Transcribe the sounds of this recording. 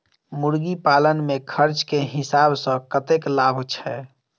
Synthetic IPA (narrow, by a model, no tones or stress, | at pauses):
muɾɡipalənmekʰəɾt͡ʃkeɦɪsabsə̃kət̪eklabʱt͡ʃʰɛ